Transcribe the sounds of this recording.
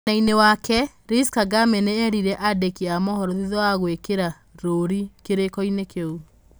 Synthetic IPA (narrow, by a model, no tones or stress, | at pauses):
nainewakɛ | ɾiskaɡamɛneɛɾiɾɛʔadɛkiamɔhɔɾɔðiðɔaɣwekeɾa | ɾoɾikeɾekɔinekeu